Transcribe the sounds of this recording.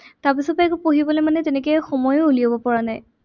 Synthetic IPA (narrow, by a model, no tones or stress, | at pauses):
taɹpisɔpeɛkupoɦibɔlɔjmanɛtenɛkɛxɔmɔjouliabɔpɔɹanaj